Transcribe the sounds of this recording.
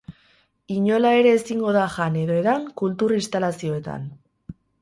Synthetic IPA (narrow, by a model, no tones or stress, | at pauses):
iɲo̞lae̞ɾe̞ːsiŋɡo̞ð̞aʝane̞ðo̞eðaŋkult̪urist̪alasio̞e̞t̪a̰n